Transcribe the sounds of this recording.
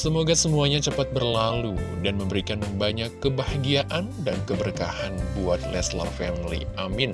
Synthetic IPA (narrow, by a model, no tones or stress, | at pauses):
səmoɡasəmuaɲat͡ʃəpat̪̚bərlaludanməmbəɾikanbaɲakːəbahaɡiaʔandankəbəɾkahanbuat̪̚lɛsla̰rfɛmilḭʔamɪn